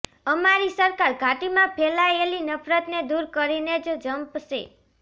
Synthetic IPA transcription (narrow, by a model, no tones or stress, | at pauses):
əmaɾisəɾkaɾɡʱaʈimãpʰelaelinəpʰɾət̪ned̪uɾkəɾined͡ʒd͡ʒəmpsḛ